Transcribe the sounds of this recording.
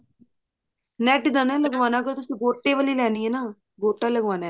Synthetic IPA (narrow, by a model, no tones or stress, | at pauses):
nɛːʈd̪ənɛ̃ːləɡʋaːnaːkot̪ʊsĩːɡoːʈːeːʋəliːlɛːniːɛːnaː | ɡoːʈːaːləɡʋaːnaː